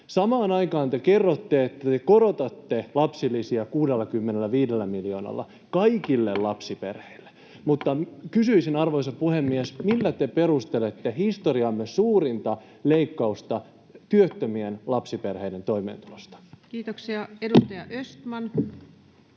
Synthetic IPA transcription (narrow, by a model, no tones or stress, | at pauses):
sɑmɑːnɑikɑːnt̪ekerːot̪ːeet̪ːæt̪ekoɾot̪ɑt̪ːelɑpsilːˑisiɑkuːdelːɑkymːenelːæʋiːdelːæmiljoːnɑ̰lːɑ̰ | kɑikilːellɑpsipḛrheilːe̥ | mut̪ːɑkysyisinɑrʋoisɑpuhemːiesmilːæt̪eperust̪elet̪ːehist̪oriɑmːesuːɾint̪ɑ | leikːɑust̪ɑ | t̪yøt̪ːømienlɑpsiperheident̪oimḛːnt̪ulost̪ɑ̥kiːt̪oksiɑedust̪ɑjɑʔøst̪mɑn